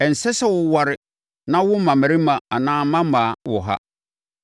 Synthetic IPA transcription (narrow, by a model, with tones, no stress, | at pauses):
ɛ˨n̩˨sɛ˦sɛ˦wʊ˦wa˨ɾɪ˨ | nã˦wʊ˦m̩˦mã˨mæ̃˨ɾi˦mã˨a˨nãː˦mã˦mã˨wɔ̰˨ɦa̰˦